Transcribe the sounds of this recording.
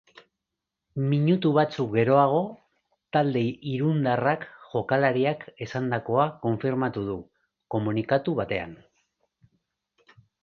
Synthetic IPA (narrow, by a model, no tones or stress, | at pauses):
miɲut̪uβ̞at͡sukɡe̞ɾo̞aɣ̞o̞ | t̪ald̪e̞iɾund̪arakʝo̞kalaɾiake̞sand̪ako̞ako̞ɱfiɾmat̪uð̞u | ko̞munikat̪uβat̪e̞a̰n